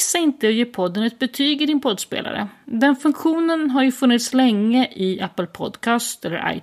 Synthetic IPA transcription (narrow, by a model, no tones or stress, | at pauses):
saɪnt̪əɔjeːpʰɔd̪ːənɛt̪̚bɛt̪ʰyːɡɪɖɪnpʰɔd̪spḛːla̰ɾə̰d̪ɛnfɵŋkɧuːnənɦaɾjɵfɵnːɪt̪slɛŋːəʔɪæpːəlpʰɔ̰d̪kʰɑːst̪ɛlːə̰ɾʔa̰j